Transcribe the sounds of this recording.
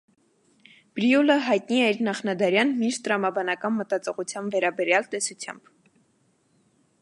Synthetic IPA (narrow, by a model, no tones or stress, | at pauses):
b̥ɾiuləɦɑjt̪niɛiɾnɑχnɑd̪ɑɾjɑnmiʃt̪əɾɑmɑbɑnɑkɑnmət̪ɑt͡sɔʁut͡sʰjɑnvɛɾɑbɛɾjɑlt̪ɛsut͡sʰjɑ̰mb̥